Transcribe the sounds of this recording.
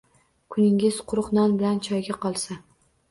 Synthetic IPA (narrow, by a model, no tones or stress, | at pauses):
kʰʊnɪŋʲɪz̥qʰʊɾʊχnanbɪlant͡ʃʰɒjɡʲaqʰɒlˠsa